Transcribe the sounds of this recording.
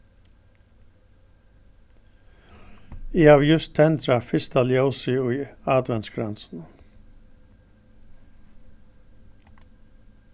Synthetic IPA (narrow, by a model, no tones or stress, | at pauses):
iːɑʋjʉst̪ʰɛnd̪ɾafɪst̪ɑljoʊsɪʊiːɑːd̪ʋɛnsɡɾansn̩